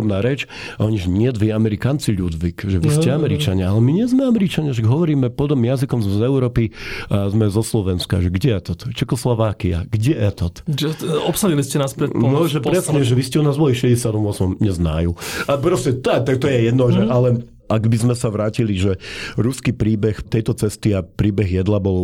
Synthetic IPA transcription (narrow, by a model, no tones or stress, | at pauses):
mnaːɾɛt͡ʃ | aɔɲiʒɲɪɛd̪ʋiamɛɾikaːnt͡siʎud̪ʋikʒɛʋiscɛamɛɾit͡ʃaɲɛalɛmiɲɛzmɛamɛɾit͡ʃaɲaʃ̬aɡɦɔʋɔɾiːmɛpɔd̪ɔmjazikɔmzzɛuɾɔːpizmɛzɔslɔʋɛnska̰ʒɛɡɛjɛt̪ɔt̪t͡ʃɛkɔslɔʋaːkia̰ɡɟɛʔɛt̪ɔt̪d͡ʒɛɔpsaliliscɛnaːspɾɛnɔʒɛpɾɾɛsɲɛʒɛʋiscɛunaːzbɔliʃɛɟɛsɪat̪ɔmʊɔsmɔmɲɛzna̰ːjuapɾɔscɛt̪t̪ak̚t̪ɔjɛjɛd̪nɔʒɛʔalɛ | ʔaɡbizmɛsaʋɾaːciliʒɛɾuskipɾiːbɛxt̪ɛjt̪ɔt͡sɛst̪iapɾiːbɛɣjɛd̪labɔl